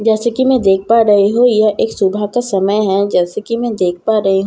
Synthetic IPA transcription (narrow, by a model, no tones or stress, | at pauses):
d͡ʒɛːsekimɛ̃d̪eːk̚ʰpaɾɐɦeɦojaʔeːksʊbʱakasɐməjɦɛ̃d͡ʒɛːsekimɛ̃d̪eːk̚ʰpaɾɐɦeɦ